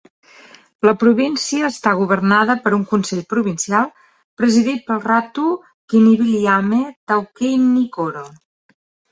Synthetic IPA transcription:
ləpɾuβinsiəːst̪aɣuβərnaðəpəɾuŋkunsɛʎpɾuβinsialˠ | pɾəziðit̪̚pəlˠrat̪u | kiniβiliamet̪awkejnːikoɾo

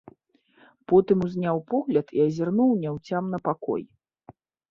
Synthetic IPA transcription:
pɔt̪ɨmuzʲnʲawpɔɣlʲɐt̪iɐzʲarnuwnʲɛwt͡sʲamnɐpakɔ̰j

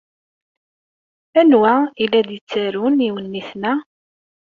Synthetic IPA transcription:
ænwæilːæd̪jət͡sːaɾuniwənːiθnæ

